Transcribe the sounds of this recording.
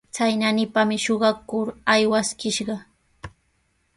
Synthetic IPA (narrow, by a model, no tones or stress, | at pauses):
t͡sajnanɪpamɪʃoɢɑkʊɾajwaskɪʃɢɑ